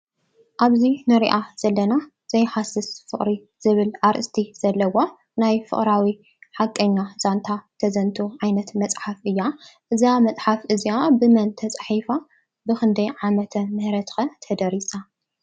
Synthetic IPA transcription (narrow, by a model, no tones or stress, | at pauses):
ʔaβzinɨɾiʔaz̥ɐlːɐna | z̥ɐjħasɨsfɨχʼɾi | z̥ɨβɨlaɾʔɨst̪ʰiz̥ɐlːɐwo | najfɨ̰χʼɾawi | ħakʼːɐɲːaz̥ant̪ʰat̪ʰɐzɐnt̪ʰuʕajnɐt̪mɐt͡sʼħafʔɨjːaʔɨzamɐt͡sʼħafʔɨziabɨmɐnt̪ʰɐt͡sʼɐħifa | bɨxɨnd̪ɐjʕamɐt̪ʰɐmɨhɾɐt̪xɐt̪ʰɐd̪ɐɾisa